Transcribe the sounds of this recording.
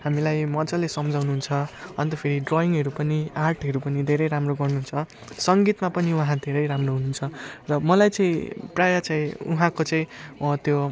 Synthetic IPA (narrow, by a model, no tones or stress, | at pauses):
ɦamilajmʌd͡zʌlesʌmd͡zawnuɦunt͡sʰʌʌnt̪ʌpʰeɾiɖroiŋɡɦʌɾupʌniarʈʰɦʌɾupʌnid̪ʱeɾʌjɾamroɡʌrnuɦunt͡sʰʌ | sʌŋɡit̪mapʌniuɦãd̪ʱeɾʌjɾamroɦununt͡sʰʌrʌmʌlajt͡sʌĩprajʌt͡saĩṵɦãkot͡sʌĩt̪jo